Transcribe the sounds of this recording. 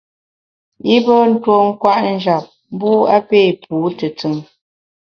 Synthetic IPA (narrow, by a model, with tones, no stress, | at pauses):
i˦bə˦n̩˦two˦ŋ̩˦kwa˦ʔn̩˦d͡ʒa˨p̚ | m̩˦bu˦a˦pe˦˨puː˨˦tə˨t͡sɨ˨ŋ